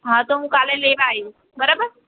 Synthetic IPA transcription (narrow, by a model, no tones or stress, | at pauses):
ɦãːt̪oɦũːkaːlẽleːbaːjũ | bəɾəb